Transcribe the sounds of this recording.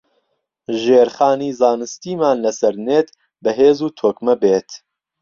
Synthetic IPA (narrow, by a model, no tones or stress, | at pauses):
ʒeːɾxaːniːzaːnɨst̪iːmaːnlɐsɐɾneːt̪ | bɐɦeːzuːt̪ʰoːkmɐbeːt̪